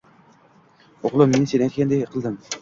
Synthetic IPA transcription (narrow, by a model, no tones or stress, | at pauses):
oqlˠɨmːensenæjt̪̚ʲkʲænd̪eqʰəlˠd̪ɨm